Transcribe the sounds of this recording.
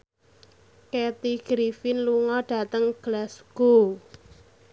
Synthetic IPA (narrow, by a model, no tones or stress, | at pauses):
kɛt̪iɡ̥ɾifɪnluŋɔɖ̥a̤t̪əŋɡ̥lasɡ̥o